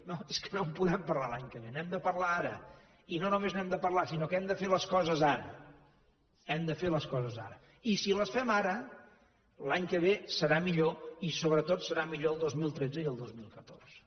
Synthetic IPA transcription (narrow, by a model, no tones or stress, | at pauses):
noeskə̥nompuðɛmpərlalˠaɲkəβ̞enɛmd̪əpərlaaɾə̰ | inonumeznɛmd̪əpərlasinokɛmd̪əfeləskɔzəzaɾə̰ | ɛmd̪əfeləskɔzəza̰ɾə | isiləsfɛmaɾə | laɲkəβ̞esəɾamiʎoisoβɾət̪ot̪səɾamiʎoəlˠd̪ozmilˠt̪ɾɛd͡zəiəlˠd̪ozmilˠkət̪orz̥ə